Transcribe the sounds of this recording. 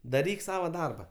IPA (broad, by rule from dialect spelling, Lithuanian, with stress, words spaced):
dɐˈrʲiːk ˈsɑːʋɐ ˈdɐrbɐ